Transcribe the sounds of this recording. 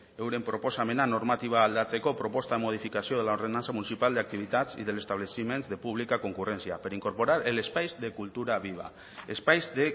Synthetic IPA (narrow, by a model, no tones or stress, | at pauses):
ewɾe̞mpɾo̞po̞same̞nano̞ɾmat̪iβ̞aːld̪at͡se̞ko̞pɾo̞po̞st̪aðemo̞ðifikasio̞ðe̞lao̞ɾð̞e̞nant͡samunisipald̪eak̚t̪iβ̞it̪at͡sḭðe̞le̞st̪aβlesime̞nzðe̞puβ̞likako̞ŋkure̞nsia̰peɾiŋko̞ɾpo̞ɾaɾele̞spajzde̞kult̪uɾaβiβ̞a̰ | espajzðe